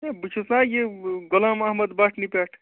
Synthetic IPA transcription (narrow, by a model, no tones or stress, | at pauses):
ebut͡ʃʰuslãjeɡolaːmɐɦməd̪baʈʰnipaːʈʰ